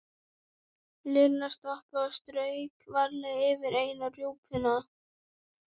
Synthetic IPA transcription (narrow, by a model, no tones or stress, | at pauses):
lɪɾnast̪ɔhpaast̪ɾœːɥkvaɾlɛɣɛːvɪɾeːjnarjoːwphʏna